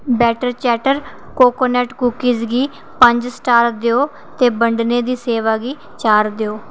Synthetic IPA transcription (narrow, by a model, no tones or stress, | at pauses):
bɛːʈəɾt͡ʃɛːʈəɾ | koːkoːnɛːʈkuːkiːzɡiː | pəɲd͡ʒsʈaːɾd̪eoː | t̪eːbəɳɖneːd̪iːseːʋaːɡiː | t͡ʃaːɾd̪eoː